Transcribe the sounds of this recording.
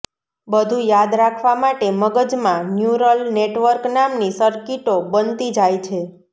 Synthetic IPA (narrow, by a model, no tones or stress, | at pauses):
bəd̪ʱũjad̪ɾakʰʋamaʈeməɡəd͡ʒmãnjuɾəlneʈʋəɾknamnisəɾkiʈobənt̪id͡ʒajt͡ʃʰe